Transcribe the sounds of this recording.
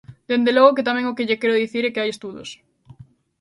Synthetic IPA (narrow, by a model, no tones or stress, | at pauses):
d̪end̪eloɣ̞oket̪amẽŋokeʎekeoðiθiɾekeajest̪uðo̰s